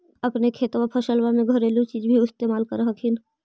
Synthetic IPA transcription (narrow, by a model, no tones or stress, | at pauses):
əpnekʰeːt̪wapʰəʃəlwamẽɡʱəɾeːlut͡ʃiːd͡ʒbʱiɪst̪eːmaːlkəɾəɦəkʰɪn